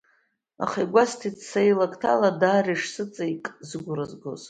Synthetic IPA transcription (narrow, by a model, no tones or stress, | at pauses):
a̰χajɡʷastʰit͡sʰsajilakʼtʰaladaːriʂsɨt͡sʼaikʼzɡʷurazɡo̰z